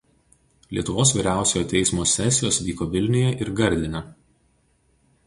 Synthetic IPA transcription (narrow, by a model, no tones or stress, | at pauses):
lʲiɛt̪ʊʋoːsʋʲiːɾʲæˑʊsʲojoːt̪ʲɛɪsmoːsʲɛsʲɪjoːsʋʲiːkoːʋʲɪlʲnʲʊjɛʔɪɾɡɐɾʲd̪ʲɪnʲɐ